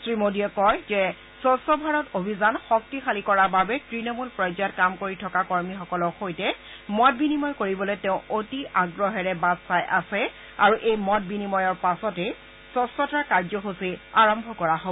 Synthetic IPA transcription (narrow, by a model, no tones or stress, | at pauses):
sɹimodiɛkɔjzɛ | sɔsɔbʱaɹɔtobʱizanxɔk̚tixalikɔɹababɛtɹinɔmulpɹɔjzjɔt̚kamkoɹitʰɔkakɔɹmixɔkɔlɔxojtɛ | mɔt̚binimɔjkoɹibɔlojtɛʊ̃ʔotiaɡɹɔɦɛɹɛbazsajʔasɛ | aɹuʔejmɔt̚binimɔjɔɹpasɔtɛ | sɔsɔtaɹkaɹzɔxosiaɹɔmbʱɔkɔɹaɦo